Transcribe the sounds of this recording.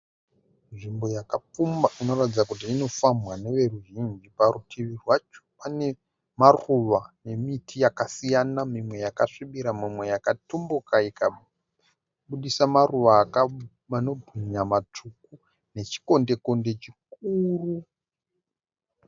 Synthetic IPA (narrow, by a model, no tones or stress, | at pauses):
ʐimbo̞jakap͡fumbaʔino̞ratid͡zakut̬iːno̞famwane̞ʋe̞ruʒind͡ʒipaɾutʰiʋirwat͡ʃo̥pane̞ | maruʋane̞mitʰijakasijanamimwe̞jakaʂiɓiɾamimwe̞jakatumbukaika | ɓuɗisamaruʋaːka | mano̞bʱiɲamat͡ʂuku | ne̞t͡ʃi̥ko̞nde̞ko̞nde̞t͡ʃik̚uːru